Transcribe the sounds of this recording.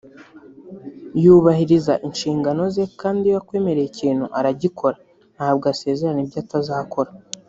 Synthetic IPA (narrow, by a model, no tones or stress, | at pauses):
juβahiɾizaʔinʃiːŋɡano̞ze̞kaːndiwakwe̞ːme̞ɾe̞jiciːn̥huʔaɾaɟikʰo̞ɾa | nhaːb̚ɡase̞ːzeɾanebɟaːtazaːkʰo̞ɾa